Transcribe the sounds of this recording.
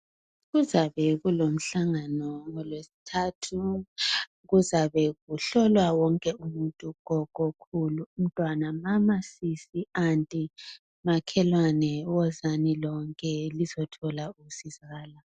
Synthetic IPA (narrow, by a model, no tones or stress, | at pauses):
ɣuzaβɛɣulom̩ɬaŋanɔŋɔlwesi̥tʰaːtʰu | ɣuzaβɛɣuɬɔlwawɔŋkʼɛumuntʼuɣɔkʼɔkʰuluum̩tʼwanamamasisiantʼi | makʰɛlwanɛwɔzanilɔŋkʼɛlizɔtʰɔlausizaɣaːla